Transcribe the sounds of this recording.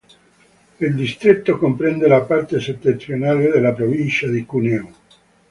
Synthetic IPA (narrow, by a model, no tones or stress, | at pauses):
ild̪ist̪ɾet̪ːokompɾɛnd̪elapart̪eset̪ːent̪ɾjonaled̪elapɾovint͡ʃad̪ikuneo